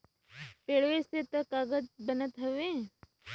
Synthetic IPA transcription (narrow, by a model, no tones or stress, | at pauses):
peːɭʋeset̪əkaːɡəd͡ʒbənət̪ɦɐʋẽː